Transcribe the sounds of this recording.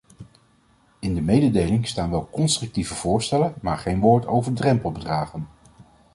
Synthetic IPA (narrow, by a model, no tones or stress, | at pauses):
ɪndəmejdədejlɪŋstaːnʋɛlˠkɔnstrɵk̚tivəv̥ʊːɹstɛlənmaːɹχejnʋʊːɹtowvəɹdrɛmpəl̩ˠbədraːχən